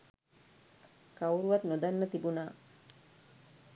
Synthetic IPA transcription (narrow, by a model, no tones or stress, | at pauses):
kawuɾuʋat̪nod̪anːət̪ibunaː